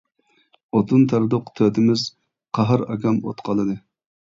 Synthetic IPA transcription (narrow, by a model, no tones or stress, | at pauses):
ot̪ʰunt̪ʰɑɾd̪ʊqt̪ʰøt̪ɪmɪz | qʰɑɦɑɾɑ̰ɡʲɑmo̰t̪qʰɑlˠɨd̪ɨ